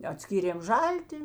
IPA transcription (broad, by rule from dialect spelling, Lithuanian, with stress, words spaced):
ɐˈtʲsʲkʲiːrʲeːm ˈʒɐlʲtʲɪ